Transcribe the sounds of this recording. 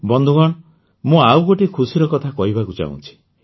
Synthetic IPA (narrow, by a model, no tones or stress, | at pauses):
bɔnd̪ʱuɡɔɽ̃ɔ | mũawɡoʈikʰusiɾɔkɔt̪ʰakɔɦibakut͡ʃa̰ṵ̃t͡ʃʰi̥